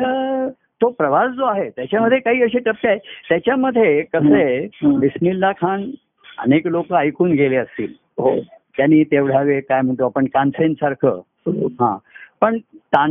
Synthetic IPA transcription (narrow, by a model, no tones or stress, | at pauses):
ə | t̪opɾəʋasd͡zoaɦet̪jat͡ɕjaməd̪ʱːjekaɦiːəɕeʈəpːiaɦet̪jat͡ɕjaməd̪ʱːjekəseb̪ismilːakʰaɳ | ə̰neklokəajkuːnɡʱeleəst̪ḭːl | ɦot̪janːiːt̪eʋɽ̤aʋekajm̤əɳt̪oapəɳkansensaɾkʰə̰ː | ɦã̰pəɳt̪a